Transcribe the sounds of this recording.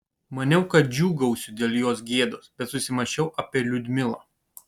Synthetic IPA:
mɐnʲɛʊkɐt̪̚d͡ʒʲuːɡɐʊsʲʊd̪ʲeːlʲˠjoːsɡʲeːd̪oːsbʲɛt̪sʊsʲɪmɐʃʲɛʊʔɐːpʲeːlʲʊd̪ʲmʲɪlˠɐ̰ː

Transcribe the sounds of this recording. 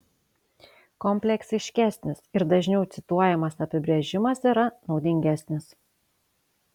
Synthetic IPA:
kɔmʲpʲlʲɛksʲɪʃʲkʲæˑsʲnʲɪsɪɾd̪ɐʒʲnʲɛʊt̪sʲɪt̪uɔjɛmɐsɐpʲɪbʲɾʲɛʒʲɪmɐsiɾɐnɒʊd̪ʲɪŋʲɡʲæsʲnʲɪs

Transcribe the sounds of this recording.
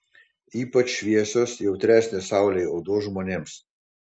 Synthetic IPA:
iːpɐt͡ʃʃʋʲeːsɔsjɛwt̪ɾʲɛːsʲnʲɛsawlʲɛɔd̪oːʒmɔnʲems

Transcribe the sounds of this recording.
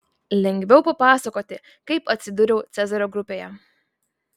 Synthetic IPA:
lʲɛŋʲɡʲʋʲɛʊpɐpɑːsɐkoːt̪ʲɪ | kɐɪpɐt̪ʲsʲɪd̪ʊɾʲɛʊt̪sʲæzɐɾʲoːɡɾʊpʲeːjɛ

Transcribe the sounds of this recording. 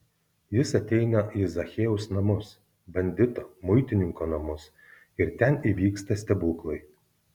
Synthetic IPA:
jɪsɐt̪ʲɛɪnɐizɐxʲɛːʊsnɐmʊs | bɐnʲd̪ʲɪt̪oːmʊɪt̪ʲɪnʲɪŋkoːnɐmʊs | ɪɾt̪ʲɛniʋʲiːkst̪ɐsʲt̪ʲɛbuːklˠɐɪ

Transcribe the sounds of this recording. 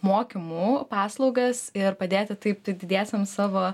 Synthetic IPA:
moːkʲɪmuːpɑːslˠɒʊɡɐsɪɾpɐd̪ʲeːt̪ʲɪt̪ɐɪpd̪ʲɪd̪ʲæːsʲɛmsɑːʋoː

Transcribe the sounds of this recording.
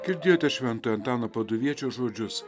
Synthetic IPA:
ɡʲɪɾʲd̪ʲɪːjoːt̪ʲɛʃʲʋʲɛnt̪oːjɐnt̪ɑːnoːpɐd̪ʊʋʲiɛt͡ʃʲoːʒoːd͡ʒʲʊs

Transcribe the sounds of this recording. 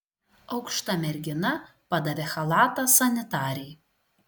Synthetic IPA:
ɐʊkʃt̪ɐmʲɛɾʲɡʲɪnɐpɐd̪ɐʋʲexɐlˠɑːt̪ɐsɐnʲɪt̪ɑːɾʲɛj

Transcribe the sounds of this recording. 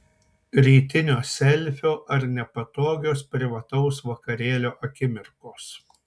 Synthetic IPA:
ɾʲiːt̪ʲɪnʲoːsʲɛlʲˑfʲoːʔɐɾnʲɛpɐt̪oːɡʲoːspʲɾʲɪʋɐt̪ɐʊsʋɐkɐɾʲeːlʲoːʔɐkʲɪmʲɪɾkoːs

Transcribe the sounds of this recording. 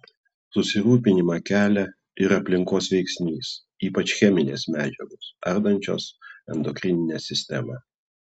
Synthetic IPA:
sʊsʲɪɾuːpʲɪnʲɪmɑkʲæːlʲɛ | ɪɾɐpʲlʲɪŋkoːsʋʲɛɪksʲnʲiːs | iːpɐt͡ʃʲxʲɛmʲɪnʲḛːsmʲæːd͡ʒʲɛɡoːsɐɾd̪ɐnʲt͡ʃʲo̰ːsɛ̰nd̪ɔkʲɾʲɪnʲɪnʲɛsʲɪsʲt̪ʲɛmɑ

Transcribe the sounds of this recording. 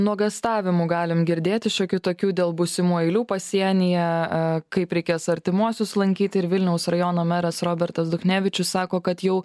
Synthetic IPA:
nuɔɡɐst̪ɑːʋʲɪmuɡɑːlʲɪmɡʲɪɾʲd̪ʲeːt̪ʲɪʃʲokʲɪt̪oːkʲuːd̪ʲeːlˠbʊsʲɪmuːɛɪlʲuːpɐsʲiɛnʲɪjɛkɐɪpɾʲɛɪkʲeːsɐɾʲt̪ʲɪmuɔsʲʊslˠɐŋʲkʲiːt̪ʲɪɾʋʲɪlʲnʲɛʊsɾɐjoːnoːmʲɛɾɐsɾoːbʲɛɾt̪ɐsd̪ʊxnʲæːʋʲɪt͡ʃʲʊssɑːkoːkɐt̪jɛʊ

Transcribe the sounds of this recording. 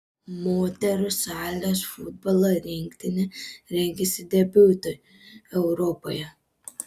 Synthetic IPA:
moːt̪ʲɛɾʊsæːlʲosfʊd̪̚bɐlˠoɾʲɪŋʲkt̪ʲɪnʲɪɾʲɛŋʲɡʲɛsʲɪd̪ʲɛbʲuːt̪oj | ɛʊɾɔpojɛ

